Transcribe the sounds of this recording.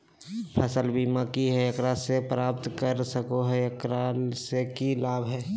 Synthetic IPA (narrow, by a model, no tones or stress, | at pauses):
pʰəsəlbʱimakiɦɛekɾasepɾaːp̚t̪kəɾsəkoɦɛekɾasekilaːbʱɦɛː